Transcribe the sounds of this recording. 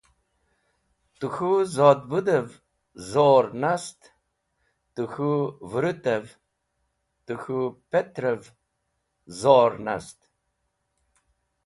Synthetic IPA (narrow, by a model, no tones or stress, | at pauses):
t̪uxuzɑːd̪bud̪əv | zoːɾnast̪ | t̪uxuvɾɨt̪əv | t̪ɨxupet̪ɾəv | zoːɾna̰st̪